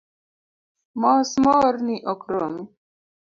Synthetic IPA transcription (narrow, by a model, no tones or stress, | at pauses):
mɔːsmɔɾniʔɔkɾomi